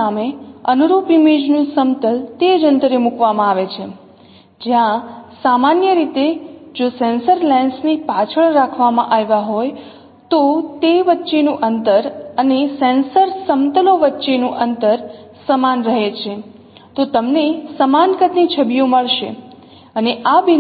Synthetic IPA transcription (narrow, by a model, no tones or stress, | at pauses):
ameənuɾupimed͡ʒnũsəmt̪əlt̪ed͡ʒənt̪əɾemukʋamãaʋet͡ʃʰe | d͡ʒjãsamanjəɾit̪ed͡ʒosɛ̃nsəɾlɛnsnipat͡ʃʰəɭɾakʰʋamã̰ʔaʋaɦoj | t̪ot̪eʋətːʃenũʔənt̪əɾənesɛ̃nsəɾsəmt̪əloʋətːʃenũʔənt̪əɾsəmanɾəɦet͡ʃʰe | t̪ot̪əmnesəmankət̪nit͡ʃʰəbijõməɭʃḛ | əneʔabi